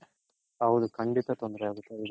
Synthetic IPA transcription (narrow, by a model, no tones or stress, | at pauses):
ɐwud̪ukʰɐɳɖit̪ɐt̪ond̪ɾeaːɡut̪ːeid̪